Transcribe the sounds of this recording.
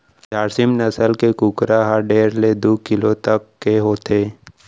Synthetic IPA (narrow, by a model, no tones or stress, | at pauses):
d͡ʒaːɾsɪmnɐsəlkekukɾaɦəɾɖeːɾled̪oːkɪlot̪əkːeɦoːt̪eː